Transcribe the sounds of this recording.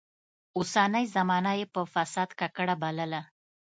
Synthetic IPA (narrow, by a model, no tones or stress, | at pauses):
osanəjzamɑnajepəfasɑd̪kakəɽabaləla